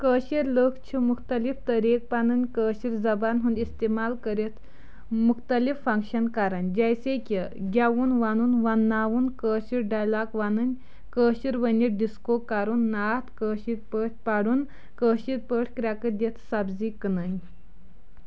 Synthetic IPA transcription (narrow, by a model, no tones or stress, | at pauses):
kəːɕiɾləkt͡ɕʰimuxt̪əlift̪əɾek̚panɨnʲkəːɕiɾd͡zɐbanɦũnd̪ist̪emalkəɾet̪ʰ | mukt̪əlifːəŋkɕənkaɾənd͡ʑajsekʲəɡʲaʋuːnʋanuːnʋanːaʋuːnkəɕiɾɖajlakʋanɨnʲ | kəɕiɾʋənʲiɾɖiskokːaɾuːnːat̪kəːɕiɾpəʈ̚ʰpaɽuːn | kəɕiɾpəʈʰkɾʲjakəd̪et̪ʰsabd͡ziknən